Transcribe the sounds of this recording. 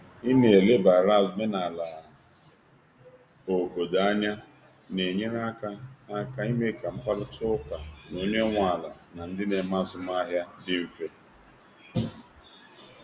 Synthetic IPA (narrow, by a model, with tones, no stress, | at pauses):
i˦ne˨e˨le˦ba˨ɾa˦˨zme˦na˨la˨ | o˨ɡo˨da˨˦ɲa˦ | ne˨ɲe˦ŋa˦ka˦a˦ka˦i˦me˦ka˨m̩˦pa˦ɾʊ˦tʊ˦ka˨no˦ɲe˦ŋʷa˦˨la˨na˨n̩˦dɪ˦ne˨ma˦zʊ˨m˦a˦ɦja˦dɪ˦m̩˨fe˦